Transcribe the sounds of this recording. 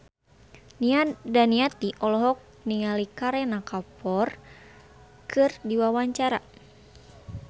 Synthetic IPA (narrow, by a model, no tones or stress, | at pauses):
daniat̪iʔɔlɔɦɔk̚ | niŋalikaɾɛnakapɔr | kʰɨrdiwawaɲt͡ʃaɾa